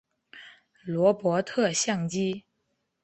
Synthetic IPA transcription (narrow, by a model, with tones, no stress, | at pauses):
lwɔ˧˥pwɔ˧˥t̪ʰɤ˥˧ɕjɑ˥˩ŋt͡ɕi˥